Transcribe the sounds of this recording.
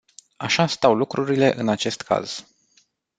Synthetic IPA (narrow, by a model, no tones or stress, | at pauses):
aʃast̪awlukɾuɾile̞ʔɨnat͡ʃe̞st̪kʰa̰z̥